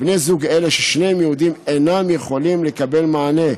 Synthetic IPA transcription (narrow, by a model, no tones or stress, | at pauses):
bnezuɡele̞ʃeʃne̞mjeud̪imenamjeχo̞limle̞kabe̞lmaːne̞